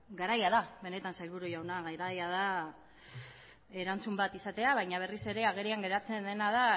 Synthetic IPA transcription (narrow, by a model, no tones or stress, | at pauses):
ɡaɾajað̞aβe̞ne̞t̪ansajlβuɾujawnaɣajɾajaða | e̞ɾant͡sumbat̪isat̪e̞aβajɲaβ̞e̞rise̞ɾe̞aɣe̞ɾiaŋɡe̞ɾat͡se̞nd̪e̞naða